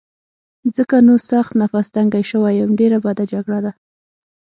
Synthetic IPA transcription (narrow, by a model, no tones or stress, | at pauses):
zəkanosaxt̪nafast̪aŋɡajʃəwajəmɖeɾabad̪ad͡ʒaɡɽad̪a